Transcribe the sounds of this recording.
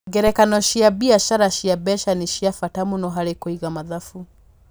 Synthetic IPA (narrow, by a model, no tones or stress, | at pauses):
ɡɛɾɛkanɔʃiabiaʃaɾaʃiabɛʃaniʃiafatamunɔɦaɾekoiɣamaðafu